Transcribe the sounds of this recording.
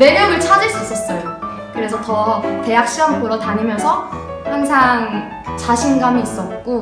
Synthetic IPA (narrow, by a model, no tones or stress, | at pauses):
ne̞ɾjʌɡɯɭt͡ɕʰadɯɭs͈uis͈ʌs͈ʌjo | kɯɾe̞sʰʌtʌte̞jak̚ɕ͈iwamkoɾʌtaɲimjʌnsʰʌ | haŋsʰaŋ | t͡ɕaɕʰinɡamiːs͈ʌt̚k͈o